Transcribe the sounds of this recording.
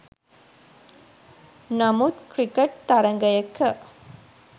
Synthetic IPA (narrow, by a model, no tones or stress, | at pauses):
nɐmut̪kɾikɐʈ̚t̪ɐɾɐŋɡɐjɐkːɐ